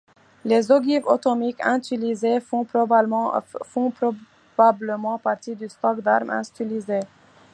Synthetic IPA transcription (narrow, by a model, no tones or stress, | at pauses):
lezoɡivot̪ɔmikɛ̃t̪ylizefɔ̃pɔb | fɔ̃p | b̥abləmɑ̃paʁt̪id̪yst̪ɔkd̪aʁmʔɛ̰̃st̪ilize